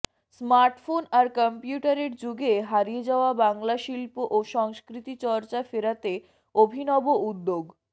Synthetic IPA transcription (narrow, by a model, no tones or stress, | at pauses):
smaɾʈfonaɾkɔmpiuʈaɾeɾd͡ʑuɡeɦaɾied͡ʑaoabaŋlaʃilpoʔoʃɔŋskɾit̪it͡ɕɔɾt͡ɕafeɾat̪e | obʱinɔboud̪ːoɡ